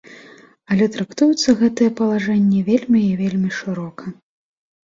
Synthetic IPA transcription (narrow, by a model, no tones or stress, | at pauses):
ɐlʲɛt̪ɾakt̪ujut̪sːɐɣɛt̪ɨjɛpɐlˠaʐɛnʲːɛvʲelʲmʲiivʲelʲmʲiʂɨɾɔkɐ